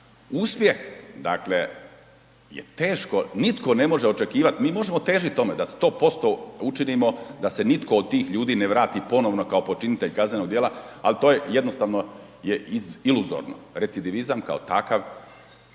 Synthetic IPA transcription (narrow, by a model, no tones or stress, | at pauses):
uːspje̞xd̪a̰kle̞ | jḛt̪e̞ːʃko̞nit̪ko̞ne̞mo̞ʒeot͡ʃe̞kiːʋat̪miːmo̞ʒemo̞t̪e̞ːʒit̪o̞med̪ast̪o̞ːpo̞st̪out͡ʃiniːmo̞d̪ase̞nit̪ko̞ːd̪̚t̪iːxʎuːd̪iːneʋɾaːt̪ipo̞noʋnokaopo̞t͡ʃinit̪eʎkaznenoɡd̪jeːlaalit̪oːjeje̞d̪nost̪aʋno | jeiiluzo̰ɾno̰ɾetsid̪iʋizamka̰ot̪akaʋ